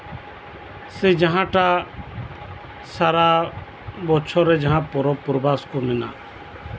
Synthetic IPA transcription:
sed͡ʒəɦãːʈaː | saːɾaː | bɔt͡ʃʰɔːɾɛd͡ʒəɦãːpɔɾɔpʊɾbaːskomɪna̰ː

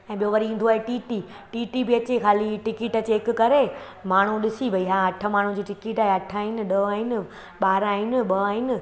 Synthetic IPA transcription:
ɛ̃ːɓijoʋɐɾiĩːn̆d̪oaːɦeʈiːʈi | ʈiːʈibɪɐt͡ɕekʰaːliʈɪkɪʈət͡ɕeɦɪkkɐɾe | maːɳ̤uɗɪsiʋɐiɦaɐʈʰə̆maːɳ̤ũd͡ʑiːʈɪkɪʈaːɦeɐʈʰaːɦɪnɪ̆ɗɐaːɦɪnɪ̆ | ɓaːɾaːɦɪnɪ̆ɓɐaːɦɪnɪ̆

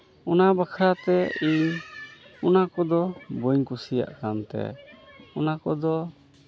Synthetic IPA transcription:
ɔnabakʰɾat̪ɛiɲ | ɔnakɔd̪ɔboɲkusija̰ʔkant̪ɛ̰ɔnakɔd̪ɔ

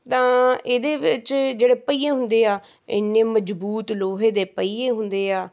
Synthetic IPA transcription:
t̪ãːeːd̪eːʋɪt͡ʃd͡ʒeːɽeːpəiːẽːɦʊ̃nd̪eːaː | ɪ̰nːẽːməd͡ʒbuːt̪loːɦeːd̪eːpəiːẽːɦʊnd̪eːaː

